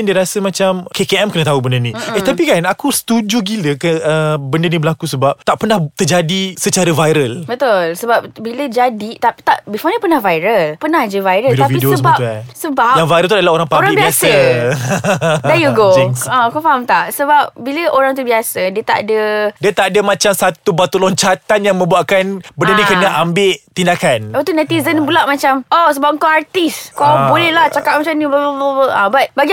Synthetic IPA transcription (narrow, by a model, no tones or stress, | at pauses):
ndiəɾasəmãt͡ʃamkekeɛmkənə̃t̪aubəndənĩet̪apikanakusə̥t̪ud͡ʒuɡiləkəʔəbəndənibəlakusəbap̚t̪aʔpənaht̪ərd͡ʒadisət͡ʃaɾəvajɾəlbət̪ʊlsəbap̚biləd͡ʒadit̪api̥t̪aʔbifɔnipənahvajɾəlpənahd͡ʒəvajɾəlidt̪aviidiosəəbauasəbajaŋvajɾəlt̪uadlaɦoɾaŋpaɾaŋibibiasə | d̪ɛjuɡoãkɔfamt̪aʔsəbap̚biləʔoɾaŋt̪̬ubiasədiət̪aʔdədiət̪adəmãt͡ʃamsat̪ubat̪ulɔɲt͡ʃat̪anjaŋmə̃mbuaʔkanbədədikənəʔambɪʔt̪indakant̪unat̪izənbulaʔmãt͡ʃamʔɔsəbap̚əŋkawart̪iskɔbolɛhlaht͡ʃakap̚mat͡ʃamnibəbəbəbəabat̪̚baɡi